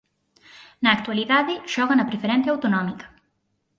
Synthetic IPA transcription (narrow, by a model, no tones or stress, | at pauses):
naːkt̪ualiðaðiʃɔɣɐnɐpɾefeɾɛnθjawt̪unɔmikɐ̥